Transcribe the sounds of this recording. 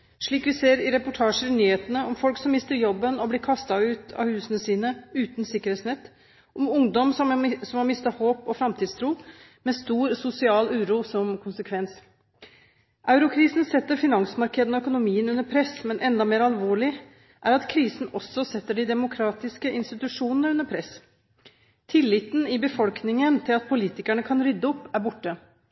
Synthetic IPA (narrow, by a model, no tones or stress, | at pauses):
ʂɭiːkʋɪseːɾɪɾɛpʊʈʰɑːʂəɾɪnyːheːt̪ənəɔmfɔlksɔmːɪst̪əɾjɔbːənɔblɪɾkʰɑst̪ɑʉːt̪ʰɑ̰hʉːsənəsiːnəʉːt̪nsɪkːəɾheːt̪snɛt̪ː | ʔɔmʊŋd̪ɔmsɔsɔmhɑɾmɪst̪ɑhoːpɔfɾɑmt̪ʰiːd̪st̪ʰɾuː | mɛst̪uːɾsʊsɪɑːlʉːɾuːsɔmkʰʊnsəkʰʋɛns | ʔɑʉɾʊkʰɾiːsn̩sɛt̪ːəɾfɪnɑŋsmɑɾkɛd̪n̩ɔœkʊnʊmiːənʉnːəɾpʰɾɛsmɛnʔɛnd̪ɑmeːɾɑlʋoːɭɪ | ʔæɾɑt̪kʰɾiːsn̩ɔsɔsɛt̪ːəɖɪd̪ɛmʊkʰɾɑːt̪ɪskəʔɪnst̪ɪt̪ʉʂuːnənəɾʉnːəɾpʰɾɛs | t̪ʰɪlːɪt̪n̩ɪbəfɔlknɪŋənt̪ʰɪlɑt̪̚pʰʊliːt̪ɪkæɳəkʰɑnɾʏd̪ːəɔpːæɾbʊʈːə